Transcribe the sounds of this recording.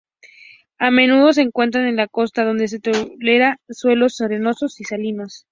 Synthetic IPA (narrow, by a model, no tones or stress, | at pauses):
ame̞nuðo̞s̬e̞ːŋkwe̞nt̪̬ɾane̞nlako̞st̪að̞o̞nd̪e̞s̬e̞t̪ole̞ɾaswe̞lo̞sːoɾeno̞so̞sisalino̞s